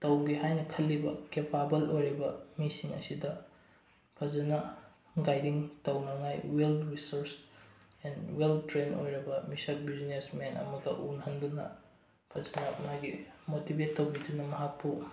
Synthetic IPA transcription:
tɐwɡiɦajnɐkʰɐlːibɐ̰kepʰabɐlojɾibɐmisiŋɐ̰sidɐ | pʰɐzɐnɐ | ɡajdiŋtɐwnɐŋajwelɾisoɾs | enweltɾeno̰jɾɐbɐmisɐk̚biznesmenɐ̰mɐɡɐ̰ʔunɦɐndunɐ̰ | pʰɐzɐnɐmaɡimotibetːɐwɡidunɐmɐɦak̚pu

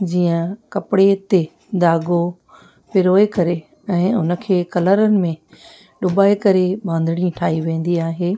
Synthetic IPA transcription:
d͡ʑiːə̃kɐpɪɽet̪e | d̪aːɡo | pɪɾoːekɐɾe | ɛ̃ːʊnə̆kʰeːkɐləɾənɪ̆mẽ | ɗʊbaːekɐɾeɓãːnd̪ʱɪɽ̃ĩʈʰaːɦiʋẽːn̆d̪iaːɦeː

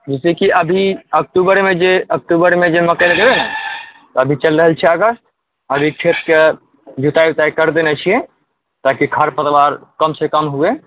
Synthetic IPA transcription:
d͡ʒisekiʔəbʱiək̚ʈubəɾmed͡ʒeək̚ʈubəɾmed͡ʒeməkəɪlɡebenə | t̪ɔəbʱit͡ʃəlɾəɦəlt͡ʃʰɛəɡəst̪̚ | əbʱikʰet̪ke | d͡ʒʱut̪aib̚t̪aikəɾd̪enɛt͡ʃʰijẽ | t̪akikʰaɾpət̪ʋaɾkəmsekəmɦoe

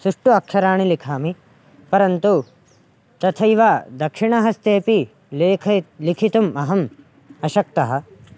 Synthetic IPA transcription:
suʂʈuɐkʂɐɾaːɳ̃ilikʰaːmi | pɐɾɐnt̪u | t̪ɐt̪ʰɐjʋaːd̪ɐkʂiɳɐɦɐst̪eːpi | kʰlikʰit̪umɐɦɐm | ɐʃɐk̚t̪ɐɦɐ̆

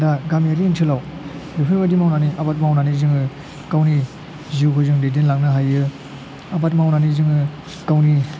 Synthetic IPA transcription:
daɡamiaɾiːntʰɯlaw | dipʰɯbadimawnaniʔabat̚mawnanizɯŋɯ | kawni | ziwkʰɯzɯŋdedenlaŋnɯɦajɯ | abat̚mawnanizɯŋɯ | kawni

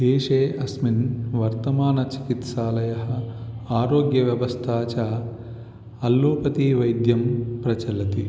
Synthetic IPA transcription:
ɦeːʂeːʔɐsminʋɐɾt̪ɐmaːnɐt͡ʃi̥kit̪ʃaːlɐjɐɦɐaːɾoːɡjɐʋjɐʋɐst̪ʰaːt͡ʃa | ɐlːoːpɐt̪iʋɐjd̪jɐmpɾɐt͡ʃɐlɐt̪i

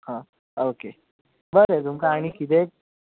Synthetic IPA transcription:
hã | oːke | bəɾet̪umkaaɽ̃ikid̪eːk̚

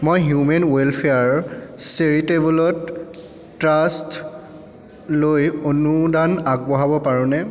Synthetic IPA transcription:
mojɦjumɛnwelpʰeaɹseɹitebɔlɔtː | ɹast | lojonudanaɡ̚bɔɦabɔpaɹɔ̃nɛ

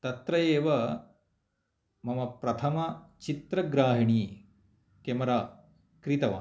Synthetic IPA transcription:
t̪ɐt̪ɾɐjeːʋɐ | mɐmɐpɾɐt̪ʰɐmɐt͡ʃit̪ɾɐɡɾaːɦiɳiː | kemɐɾaː | kɾit̪ɐʋɐ̰

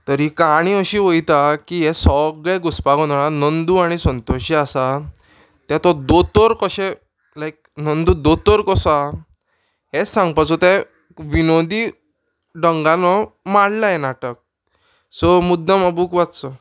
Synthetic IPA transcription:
t̪əɾikaɽ̃iəɕiːʋəjt̪akiɦɛsɔɡɭɛɡuspaɡɔ̃aɭanənd̪uaɽ̃isənt̪oɕiasa | t̪jɛt̪ɔd̪ot̪ɔɾkɔɕɛ̃ | lajk̚nənd̪ud̪ot̪ɔɾkɔsa | ɦɛt͡ssãŋɡpat͡sɔt̪ɛ̃ | ʋinod̪i | ɖəŋɡãnɔmaɽlajɛnaʈək̚ | sɔmud̪ːaməbuːkʋat͡st͡sɔ

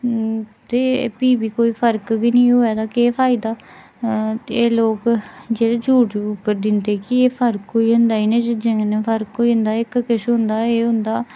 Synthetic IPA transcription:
t̪eːpiːbiːkoːiːpʰəɾkɡinĩːɦoːɛːd̪aːkeːpʰaːid̪aː | t̪eeːloːkd͡ʒeːɽeːd͡ʒuːʈʊpːəɾd̪ɪnd̪eːkɪeːpʰəɾkkoːiːɦʊnd̪aːiːnẽːd͡ʒɪd͡ʒẽŋnẽːpʰəɾkkoːiːɦʊ̃nd̪aːɪkkɪʃɦʊ̃nd̪aːeːɦʊ̃nd̪aː

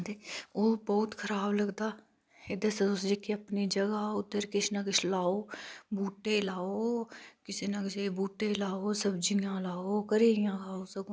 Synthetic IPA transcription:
d̪eːoːbɔːt̪kʰəɾaːbləɡd̪aː | ed̪əsəʊsd͡ʒekiəpniːd͡ʒəɡaːʊd̪əɾkɪʃnakɪt͡ʃlaːoːbuːʈeːlaːoːkɪseːnəkɪseːbuːʈeːlaːoːsəbd͡ʒɪjãːlaːoːkəɾiːɪjãːkʰaːoːsəɡõ

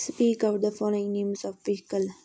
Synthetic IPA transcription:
spiːkɔwʈ̚d̪əfɔlɪ̃ŋnẽːmsɔfpiːkəl

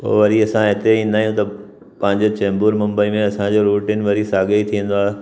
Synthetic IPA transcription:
po̰ːʋɐɾiɐsãɦɪt̪eĩnnaːɦjũt̪ɐ | pɐ̃ɦɪ̃ɲd͡ʑot͡ɕɛ̃ːmbuːɾmɐ̃mbəimẽɐsãd͡ʑoɾuːʈiːnʋɐɾisaːɠəit̪ʰiə̃nd̪oaːɦe

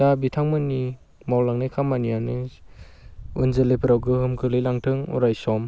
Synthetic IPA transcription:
abitʰaŋmɯni | mawlaŋnajkʰamːanijanɯ | unzelejpʰɯɾawɡɯɦɯmkʰɯlɯjlaŋtʰɯŋṵɾajsɔm

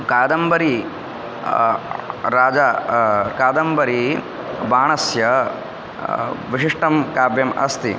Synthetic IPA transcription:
kaːd̪ɐmbɐɾi | ɾaːd͡ʒakaːd̪ɐmbɐɾi | baːɳ̃ɐsjɐ | ʋiʂiʂʈɐmkaːbjɐmɐ̰st̪i

